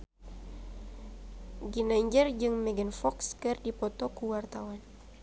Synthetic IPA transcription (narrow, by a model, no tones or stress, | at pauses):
ɡinaiɲd͡ʒərd͡ʒɨŋmɛɡənfɔkskɨrdipɔt̪ɔkuwart̪awan